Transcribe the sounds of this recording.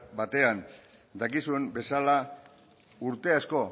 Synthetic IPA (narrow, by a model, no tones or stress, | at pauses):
bat̪e̞an | d̪akisue̞mbe̞sala | uɾt̪e̞asko̞